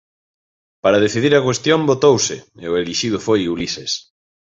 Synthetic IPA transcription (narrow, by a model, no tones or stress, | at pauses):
paɾaðeθiðiɾɐkwest̪jõmbot̪owsɪ̰eʊeliʃið̞ʊfojulises